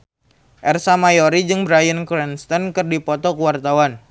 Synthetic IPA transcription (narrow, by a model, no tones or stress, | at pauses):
ʔɛrsamajoɾid͡ʒɨŋbɾajənkɾɛnst̪ɔnkɨrdipɔt̪ɔkuwart̪awan